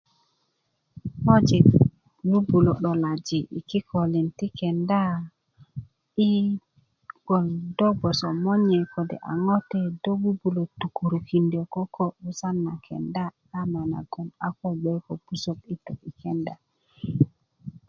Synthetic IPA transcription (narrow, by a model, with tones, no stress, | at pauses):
mo˦d͡ʒi˨ | wu˦bu˨lo˨ɗo˨la˨d͡ʒi˨ʔḭ˨ki˦kʰo˨li˨nti˦ke˨nda˦ | i˦ | ɡ̥o˨ldo˦bo˨so˨mo˦ɲɛ˨ko˨dɛ̰˨ʔa̰˨ŋo˦tɛ˨do˦wu˦bu˨lo˨tu˨ku˨ɾu˨ki˨ndo˨ko˦ko˦u˨sa˦nːa˨kʰḛ˨nda˦ | a˦ma˨na̰˨ɡo˨na˨ko˦be˦ko˨pu˦so˨ki˦to˨ki˨ke˨nda˨